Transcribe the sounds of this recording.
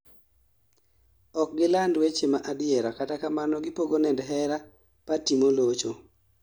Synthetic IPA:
ɔk̚ɡɪlandwet͡ʃemaʔadɪɛɾakatakamanɔɡɪpoɡonɛndɦɛɾa | patimolot͡ʃo

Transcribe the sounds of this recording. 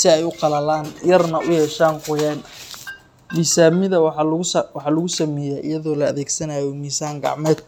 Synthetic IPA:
sɪɛjʊqɑlɐlaːnjɐrnɐʔʊjɛːʃaːnqʊjɛːn | miːsaːmɪðɐwwɑħɑlʊɣʊsɐmɛːjɛːʔɪ̰jɐðɔːlɐɐðɛːɡsɐnajɔmiːsaːŋɡɑ̰ʕmɛːd̪̚

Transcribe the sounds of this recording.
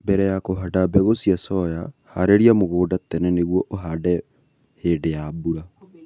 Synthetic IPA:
bɛɾɛjakoɦadabɛɣosjasɔjahaɾeɾiamoɣoːdatɛnɛneɣwɔʔoɦadɛ | heːdejabuɾa

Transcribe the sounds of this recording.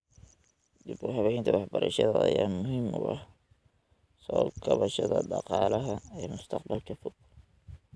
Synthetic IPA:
d̪ibʊɦɐβɛjnt̪ʰɐwɑħbɐɾɐʃɐðɐɐjaːnmʊɦiːmʊʔɑ̰h | sɔːlkʰɐβɐʃɐðɐ̰ɖɑ̰qɑːlɐɦɐɛːmʊst̪ʰɑqbɐlkʰɐfʊɡ̚

